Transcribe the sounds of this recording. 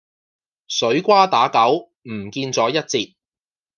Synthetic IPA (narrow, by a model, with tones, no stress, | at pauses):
sɵ˨˥ɥkʷaː˥t̪aː˨˥kɐ˨˥w | m̩˨˩kiː˧nt͡sɔː˨˥jɐ˥t̚t͡siː˧t̚